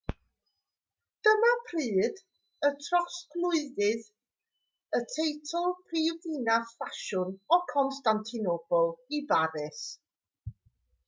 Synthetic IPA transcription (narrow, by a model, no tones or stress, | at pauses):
d̥əmapʰriːd | ətʰrɔsɡlˠʊɨðɨð | ətʰejtʰɔlˠpʰriːvinaθfaʃʊnɔkʰɔnstantʰɪnob̥ʊlˠibaɾɪs